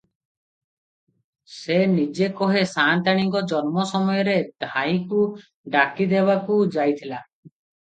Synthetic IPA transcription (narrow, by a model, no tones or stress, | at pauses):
senid͡ʒekɔɦesant̪aɽ̃iŋkɔd͡ʒɔnmɔsɔmɔjɔɾed̪̥ʱaĩku | ɖakid̪ebakud͡ʒajt̪ʰila